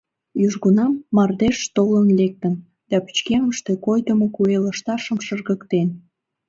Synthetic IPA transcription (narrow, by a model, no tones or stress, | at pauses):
jyʒɣunɑmːɑrd̪eʃt̪olənlek̚t̪ən | d̪̥ɑpi̥t͡ɕkeməʃt̪e̽kojd̪əmokueləʃt̪ɑʃəmʃərɣəkt̪en